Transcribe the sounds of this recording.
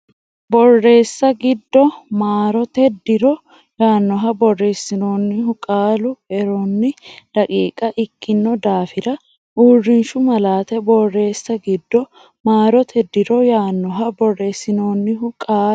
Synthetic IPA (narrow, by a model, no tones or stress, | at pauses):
bɔrːe̞ːsːɐɡɪd̪ːɔmaːɾɔt̪ɛd̪ːɪɾɔ | jaːnːɔɦɐbɔrːe̞ːsːɪno̞ːnːɪɦʊkʼaːlʊɛɾonːɪlɐkʼiːkʼɐʔɪkːɪnːɔd̪aːfɪɾɐ | ʔuːrːɪnʃʊmɐlaːt̪ɛbɔrːe̞ːsːɐɡɪd̪ːɔ | maːɾɔt̪ʰɛd̪ːɪɾɔjaːnːɔɦɐbɔrːe̞ːsːɪno̞ːnːɪɦʊkʼaː